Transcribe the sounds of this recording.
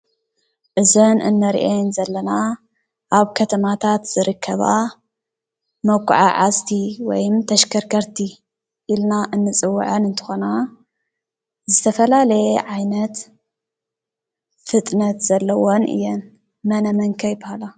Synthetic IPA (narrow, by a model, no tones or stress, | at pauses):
ʔɨzɐnʔɨ̰nːɐɾ̰ʔenzɐlːɐna | ʔaβkʰɐt̪ʰɐmat̪ʰat̪z̥ɨɾɨkʰːɐβa̰ | mɐwkʰːṵʕaʕazt̪ʰiwɔjɨmt̪ʰɐʃkʰɐɾkʰɐɾt̪ʰi | ʔilnaʔɨnːɨt͡sʼɨwːṵʕɐnɨnt̪ʰɨ̥xona | zɨt̪ʰɐfɐlalɐjeʕajnɐt̪ | fɨt̪ʼnɐt̪z̥ɐlːɐwonʔɨ̰jːɛn | mɐnɐmɐŋkʰɐjbɐhala